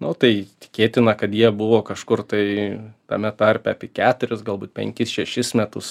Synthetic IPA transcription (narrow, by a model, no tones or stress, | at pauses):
nʊt̪ɐɪt̪ʲɪ̥kʲeːt̪ʲɪnɐkɐt̪jiɛbʊʋoːkɐʃkʊrt̪ɐɪt̪ɐ̰mʲɛt̪ɐɾʲpʲɛɐpʲiɛkʲæːt̪ʊɾʲɪsɡɐlˠbuːt̪pʲɛ̰ŋʲkʲɪsʃʲɛʃʲɪsmʲæt̪ʊs